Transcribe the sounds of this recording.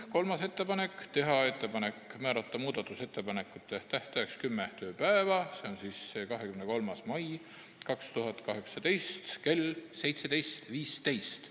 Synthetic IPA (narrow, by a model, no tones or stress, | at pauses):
ko̞lmɑse̞t̪ːe̞pɑne̞kːˑt̪e̞ɦɑe̞t̪ːe̞pɑne̞kmæːɾɑt̪ˑːɑmuːd̪̥ɑt̪ːˑuse̞t̪ːe̞pɑne̞kːˑut̪ːˑeht̪æht̪eekskymːet̪ø̞ːpæevɑse̞o̞nsisːekɑɦe̞kymne̞ko̞lmɑsmɑj | kɑkst̪uɦɑt̪kɑɦe̞ksɑt̪e̞jst̪ke̞lse̞jt̪se̞d̪ejst̪viːst̪e̞jst̪